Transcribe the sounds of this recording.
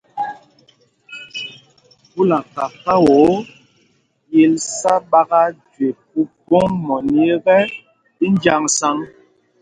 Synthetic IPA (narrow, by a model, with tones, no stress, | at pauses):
bu˦la˨ka˨ka˦wo˨˦ | je˨lsa˦ɓa˦ɡa˦d͡ʒwe˨p̚u˦bo˦ŋmɔ˨ni˦e˦ɣɛ˦ | i˦n˦d͡ʒa˦ŋsa˦ŋ